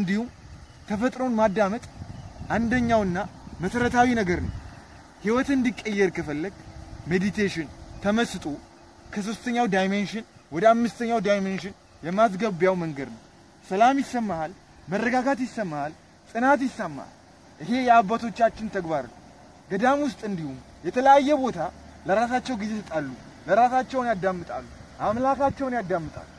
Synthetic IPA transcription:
ɨnd̪ihum | t̪ʰəfət̪ʼɾo̞nmad̪ːamət̪ʼʔand̪əɲːawɨnːa | məsəɾət̪ʰawinəɡəɾnə̰w | hiwɔt̪ɨnd̪ikʼːəjːɛɾkʰəfəlːəɡme̞d̪it̪ʰeʃɪnt̪ʰəməsɨt̪ʼo | kʰəs̬o̞st̪ʰəɲːawd̪ajmenʃɪnwɔd̪əamːɨst̪ʰəɲːawd̪ajmenʃɪn | jɛmas̬ɡəbjawməŋɡəd̪nəw | səlamjɪsːəmːahal | mərːəɡaɡat̪jɪsːəmːaal | sʼɨnat̪jɪsːəmːa̰a̰l | ʔɨɦe̞jɛabːat̪ʰo̞t͡ʃːat͡ʃːɪnt̪ʰəɡbaɾl | ɡəd̪amwʊst̪ʼɨnd̪ihum | jɛt̪ʰələjajːɛbo̞t̪ʰaləɾasat͡ʃːɛwɡize̞sɨt̪ʼalːu | ləɾasat͡ʃːɛwnjad̪ːamːɨt̪ʼa̰lːuʔamlakat͡ʃːɛwnjad̪ːamːɨt̪ʼa̰lːu

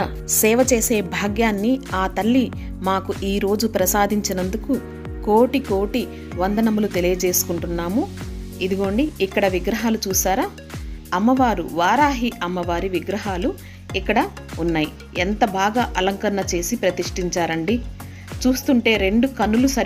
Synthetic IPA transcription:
sɛːʋɐt͡ʃe̞ːse̞ːbʱaːɡjaːnːiaːt̪ɐɭːi | maːkuʔiːɾo̞ːd͡ʒupɾɐsaːd̪ʱiɲt͡ʃinɐnd̪uku | ko̞ːʈiko̞ːʈi | ʋɐnd̪ɐnɐmulut̪e̞lijɐd͡ʒe̞ːsu̥kuɳʈunːaːmuid̪uɡo̞ːɳɖiikːɐɽɐʋiɡɾɐɦaːlut͡ʃuːsaːɾaː | ɐmːɐʋaːɾṵʋaːɾaːɦiʔɐmːɐʋaːɾiʋiɡɾɐɦaːlu | ikːɐɽɐ | unːaːji | ent̪ɐbʱaːɡaːʔɐlɐŋkɐɾɐɳɐt͡ʃe̞ːsipɾɐt̪iʂʈiɲt͡ʃaːɾɐɳɖi | t͡ʃuːst̪uɳʈe̞ːɾe̞ɳɖukɐnːulusɐ

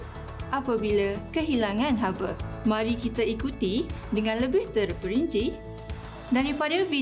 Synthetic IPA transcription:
ʔapabilakəɦilaŋãnɦabəmãɾikit̪aikut̪idəŋãnləbɪht̪ərpəɾiɲt͡ʃi | daɾipadabi

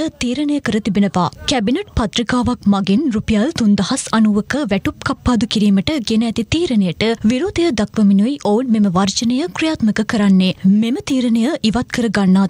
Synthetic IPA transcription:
ət̪iːɾənəjəkəɾət̪ibinəʋa̰ːkɛbineʈ̚pɐt̪ɾikaːʋak̚maɡinrupijalt̪und̪ɐhɐsɐnuʋəkəʋæʈup̚kapːaːd̪ukiɾiːməʈəɡenəɛt̪it̪iːɾənəjəʈəʋiɾoːd̪ɐjəd̪ɐkʋəminuiʔounmeməʋɐrt͡ʃənəjəkɾijaːt̪məkəkəɾanːeːmemət̪iːɾənəjəʔiʋat̪̚kəɾəɡanːaː

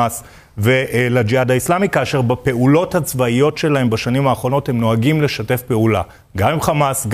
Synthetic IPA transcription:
as | veʔlad͡ʒiadaislamikaːʃeʁbape̞ʔulo̞that͡svaijo̞tʃe̞lahe̞mbaʃanimhaːχʁo̞no̞the̞mno̞aɡimle̞ʃate̞fpe̞ula̰ | ɡamimχamasɡ

